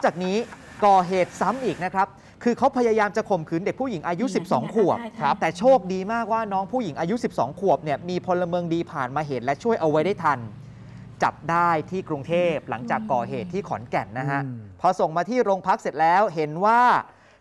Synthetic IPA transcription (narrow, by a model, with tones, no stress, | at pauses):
ŋt͡ɕaː˨˩k̚niː˦˥ | kɔː˨˩ɦeː˨˩t̪̚sa˦˥mʔiː˨˩k̚na˦˥kʰɾa˦˥p̚ | kʰɯː˧kʰa˦˥wpʰa˧jaː˧jaː˧mt͡ɕa˨˩kʰo˨˩mkʰɯː˩˦nde˨˩k̚pʰuː˥˩i˩˦ŋʔaː˧ju˦˥si˨˩p̚sɔː˩˦ŋkʰu˨˩əp̚kʰa˦˥p̚t̪ɛː˨˩t͡ɕʰoː˥˩k̚diː˧maː˥˩k̚waː˥˩nɔː˦˥ŋpʰuː˥˩ji˩˦ŋʔaː˧ju˦˥si˨˩p̚sɔ̰ː˩˦ŋkʰu˨˩əp̚ni˥˩ɐmiː˧pʰo˧lːa˧mɯː˧əŋdiː˧pʰaː˨˩nmaː˧ɦe˩˦n̚lɛ˦˥t͡ɕʰu˥˩əjʔa˧wa˦˥jda˥˩jt̪ʰa˧n | t͡ɕa̰˨˩p̚daː˥˩jt̪ʰiː˥˩kɾu˧ŋt̪ʰeː˥˩p̚la˩˦ŋt͡ɕaː˨˩kːɔː˨˩ɦeː˨˩t̪ʰːiː˥˩kʰɔː˩˦nkɛ˨˩nːa˦˥ɦa˦˥ʔpʰɔ˧so˨˩ŋmaː˧t̪ʰiː˥˩ɾoː˧ŋpʰa˦˥k̚se˨˩t̪̚lɛː˦˥wɦe˨˩˦nwaː˥˩